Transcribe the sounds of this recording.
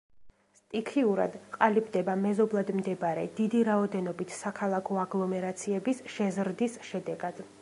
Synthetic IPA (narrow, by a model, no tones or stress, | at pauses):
st̪ʼikʰiuɾa̰d̪qʼalibd̪ɛbamɛzɔblˠad̪md̪ɛbɾɛ̰d̪̥id̪iɾaɔd̪ɛnɔbit̪ʰsakʰalˠakʰɔaɡlˠɔmɛɾat̪sʰiɛbisʃɛzɾd̪isʃɛd̪ɛɡad̪̥